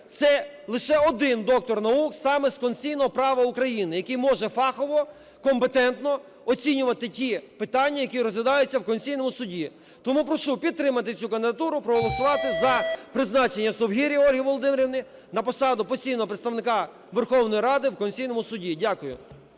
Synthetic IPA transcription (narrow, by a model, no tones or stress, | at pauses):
t̪sɛ | lˠɪʃɛɔd̪ɪnd̪ɔk̚t̪ɔrnɐuksɑmɛskɔnʲsʲijnɔɦɔpɾɑʋɐukɾɐjinɪjɐkɪjmɔʒɛfɑxɔʋɔ | kɔmpet̪ɛnt̪nɔ | ɔt͡sʲinʲʊʋɐt̪ɪtʲipɪt̪ɑnʲːɐjɐkiɾɔzʋʲɪd̪ɑjʊt͡sʲːɐwkɔnʲsʲijnɔmʊsʊdʲi | t̪ɔmupɾɔʃupʲid̪̚t̪ɾɪmɐt̪ɪt͡sʲukɐnd̪ɪd̪ɐt̪uɾʊpɾɔɦɔlˠɔsʊʋɑt̪ɪzɐpɾɪznɑt͡ʃenʲːɐsɔwɦʲiɾʲiɔlʲɦiʋɔlˠɔd̪ɪmeɾʲɪʋnɪ | nɐpɔsɑd̪ʊpɔsʲijnɔɦɔpɾet̪st̪ɐʋnɪkɑ | ʋerxɔwnɔjiɾɑd̪ɪwkɔnʲsʲijnɔmʊsʊdʲidʲakʊjʊ̰